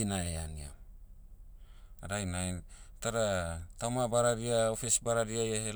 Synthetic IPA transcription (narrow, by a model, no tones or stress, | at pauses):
inaeania̰ | aɾajnajtaɾatawmabaɾaɾiaofisbaɾaɾiajahe